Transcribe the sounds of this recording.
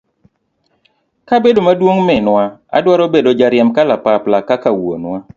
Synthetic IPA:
kabedomadwoŋmɛnwaa̰dwaɾobedod͡ʒaɾjɛmkalapaplakakawo̰nwa

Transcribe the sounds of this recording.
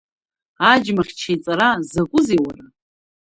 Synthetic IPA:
ad͡ʒmaχʲt͡ʃʰajt͡sʼaɾazakʷʼʊziwara

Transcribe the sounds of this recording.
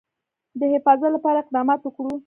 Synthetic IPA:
d̪əhɪfɑzalapɑɾaɪq̚d̪ɑmɑt̪wəkɽu

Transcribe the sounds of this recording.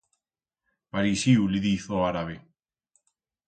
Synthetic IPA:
paɾisiuliðiθoaɾaβe

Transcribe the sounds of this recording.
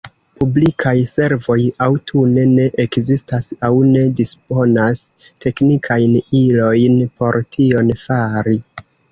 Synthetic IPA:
publikʰajse̞ɾvo̞jawtʰune̞ne̞ʔekzistasawne̞dispo̞nas | tʰe̞knikʰajnilo̞jnpo̞ɾtʰio̞nfaɾi

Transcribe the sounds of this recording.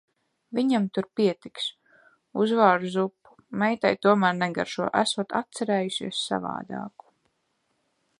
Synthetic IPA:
viɲamt̪uɾpiɛt̪iks | uzvaːɾuzupːu̥mɛjt̪ajt̪uɔmæːɾnɛɡa̰ɾʃuɔʔæsuɔt̪at̪̚t̪sɛɾɛːjuʃḭɛssa̰va̰ːd̪ɑ̰ːku̥

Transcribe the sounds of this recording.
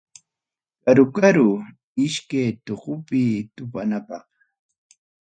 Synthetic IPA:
kaɾʊkaɾʊ | ɪʃkajt̪oqʊpɪt̪ʊpanapɑχ

